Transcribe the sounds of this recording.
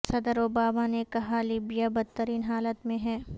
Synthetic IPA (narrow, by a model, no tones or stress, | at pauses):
sɐd̪əɾoːbaːmanekɐɦaliːbijabɐd̪̚t̪ːəɾiːnɦaːlət̪mẽɦɛː